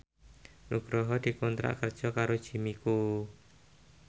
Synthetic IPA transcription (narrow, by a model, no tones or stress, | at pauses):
nuɡ̥ɾɔɦɔd̪̥i̤kɔnt̪ɾa̰ʔkərd̥ʒ̥ɔkaɾod̥ʒ̥i̤miku